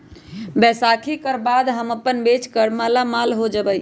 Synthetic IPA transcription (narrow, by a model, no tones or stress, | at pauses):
bɛsakʰikəɾbad̪ɦəməpənbet͡ʃkəɾmalamalɦod͡ʒəbəj